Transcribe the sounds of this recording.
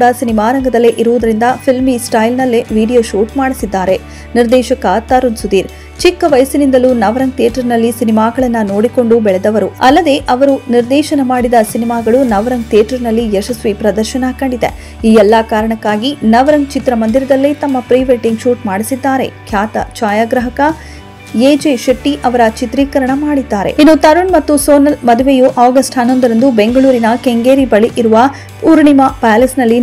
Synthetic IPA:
ɽɐsinimaːɾɐŋɡɐd̪ɐlːeʔiɾuʋud̪ɐɾind̪ɐpʰilmisʈɐjlnɐlːeʋiːɖijoːʃuːʈmaːɽisid̪ːaːɾe | niɾd̪ɛːʃɐkɐt̪ːaːɾunsud̪iːɾ | t͡ʃikːɐʋɐjɐsinind̪ɐlunɐʋɐɾɐŋɡ̚t̪iɐʈɐɾnɐlːisinimaːɡɐɭɐnːɐno̞ːɽiko̞ɳɖubɛɭɛd̪ɐʋɐɾuɐlːɐd̪e̞ʔɐʋɐɾuniɾd̪ɛːʃɐnɐmaːɽid̪ɐsinimaːɡɐɭunɐʋɐɾɐŋɡ̚t̪ijeːʈɐɾnɐlːijɛʃɐsʋipɾɐd̪ɐɾʃɐnɐkɐɳɖid̪ḛ | iːɛlːɐkaːɾɐɳɐkːaːɡinɐʋɐɾɐŋt͡ʃit̪ɾɐmɐnd̪iɾɐd̪ɐlːit̪ɐmːɐpɾijʋeʈiŋɡʃuːʈmaːɽisid̪ːaːɾe̞̰kʰjaːt̪ɐ̰t͡ʃaːjaːɡɾɐɦɐkɐ | eːd͡ʒeʃɐʈːiʔɐʋɐɾɐt͡ʃit̪ɾiːkɐɾɐɳɐmaːɽid̪ːaːɾḛinːut̪ɐɾuɳmɐt̪ːusoːnɐlmɐd̪uʋejuʔaːɡɐsʈɐnːond̪ɐɾɐnd̪ube̞ŋɡɐɭuːɾinɐkeŋɡeːɾibɐɭiʔiɾuʋɐ | uɾɳimɐpaːlesnɐlːi

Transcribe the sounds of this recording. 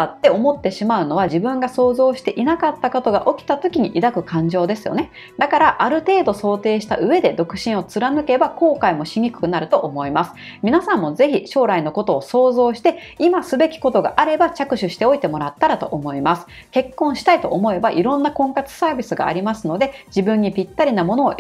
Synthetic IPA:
at̪ːe̞o̞mo̞t̪ːe̞ɕimaɯ̟no̞βaʑibɯ̟̃ŋɡaso̞ːzo̞ːɕi̥t̪e̞ʔinakat̪ːako̞t̪o̞ɡa̰ʔo̞kʲi̥t̪at̪o̞kʲiɲ̟iʔid̪akɯ̟kãɲ̟d͡ʑo̞ːd̪e̞sɨjo̞ne̞ | d̪akaɾaʔaɾɯ̟t̪e̞ːd̪o̞so̞ːt̪e̞ːɕi̥t̪a̰ʔɯ̟e̞d̪e̞d̪o̞kɯ̟̥ɕĩɰ̃o̞t͡sɨɾanɯ̟ke̞bako̞ːkaimo̞ɕiɲ̟ikɯ̟̥kɯ̟naɾɯ̟t̪o̞ʔomo̞imasɨ̥ | mʲinasãmːo̞ze̞çiɕo̞ːɾaino̞ko̞t̪o̞ːso̞ːzo̞ːɕi̥t̪e̞imasɨbe̞kʲi̥ko̞t̪o̞ɡa̰ʔaɾe̞bat͡ɕakɯ̟ɕɨɕi̥t̪e̞o̞it̪e̞mo̞ɾat̪ːaɾat̪o̞ʔomo̞imasɨ̥ | ke̞kːõɰ̃ɕi̥t̪ait̪o̞ʔːmo̞e̞baʔiɾõ̞nːakõ̞ŋkat͡sɨ̥saːbʲisɨɡa̰ːɾʲimasɨno̞d̪e̞d͡ʑibɯ̟̃ɲ̟ːipʲit̪ːaɾʲinamo̞no̞ː

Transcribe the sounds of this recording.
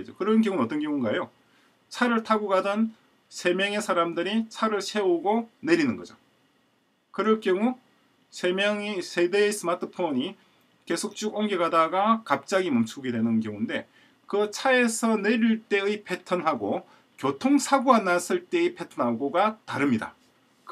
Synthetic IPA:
d͡ʑokɯɾʌnk̬jʌŋunʌt͈ʌnkjʌŋunɡaejo | t͡ɕʰaɾɯɭtʰaɡoɡadʌn | sʰe̞mjʌŋe̞sʰaɾamdɯɾit͡ɕʰaɾɯɭsʰe̞oɡone̞ɾinɯnɡʌd͡ʑo | kɯɾʌɭk͈jʌŋu | sʰemʌŋisʰe̞deːs͈ɯmatʰɯpʰoɲi | ke̞sʰok̚t͡ɕ͈uɡoŋɡeɡadaɡakap̚t͡ɕ͈aɡimʌmt͡ɕʰuɡidwe̞nɯnkjʌŋunde̞ | kɯt͡ɕʰae̞sʰʌne̞ɾiɭt͈e̞ɯipʰe̞tʰʌnɦaɡo | kjotʰoŋsʰaɡuanːas͈ɯɭt͈e̞ɯipʰe̞tʰʌnɦaɡoɡataɾɯmɲida̰ | k

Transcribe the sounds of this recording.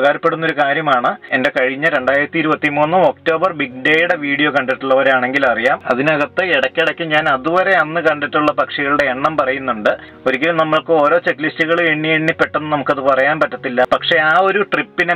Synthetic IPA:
ɣaːɾɐpːe̞ɽunːo̞ɾukaːɾjɐmaːɳɨende̞kɐɻiɲːɐɾe̞ɳɖaːjiɾɐt̪ːiɾubɐt̪ːimuːnːumo̞kto̞ːbɐrbik̚ɖeːjuɽe̞ʋiːɽijo̞ːkɐɳɖɐʈːuɭːɐʋɐɾeaːɳe̞ŋɡilɐrijaːmɐ̰ðinɨɐɣɐt̪ːeiɽɐkʲːeɽɐkʲːumɲaːnɐðuʋɐɾe̞ɐnːɨkɐɳɖɐʈːuɭːɐpɐkʂiɣɐɭuɽeeɳːɐmpɐrɐjunːuɳɖɨ | o̞ɾik̬ʲːɐlumnɐmːɐɭkɨo̞ːɾo̞ːt͡ɕekːlistːuɣɐɭeɳːieɳːipːeʈːenːɨnɐmukːɐðɨpɐrɐjaːnpɐtːɐt̪ːilːɐpɐkʂe̞aːo̞ɾuʈripːine

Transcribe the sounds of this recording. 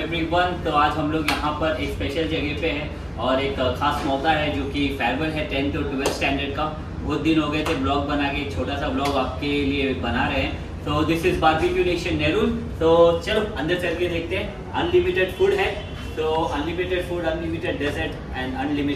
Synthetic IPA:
eʋɾiʋɐ̃nt̪oaːd͡ʒɦɐmloːɡjɐɦãpɐɾeːkspeːʃəld͡ʒɛɡeʈpeɦɛ̃ | ɔːɾeːkʰxaːsmɔːkaɦɛd͡ʒoːkifɛːɾbəlɦɛʈɛ̃nt̪ʰoʈuʋɛlsʈɛ̃ːɳɖəɾɖ̚ka | ɡʊd̪̚d̪ɪnɦoːɡɐet̪ʰeblɔːɡ̚bɐnakeːk̚t͡ʃʰoːʈasablɔːɡaːp̚keliebɐnaɾɐɦeɦɛ̃ | t̪oːd̪ɪsɪzbaːɾbipjuneːʃə̃nːɛːɾuːnt̪oːt͡ʃɐloɐ̃nd̪əɾt͡ʃɐɾɡid̪eːk̚ʰt̪ẽɦɛ̃ | ɐ̃nlɪmɪʈeɖfuːɽɦɛ | t̪oːɐ̃nlɪmɪʈeɖfuːɖɐ̃nlɪmɪʈeɖːesəɾʈ | ɛ̃ːɳɖɐ̃nlɪmɪ

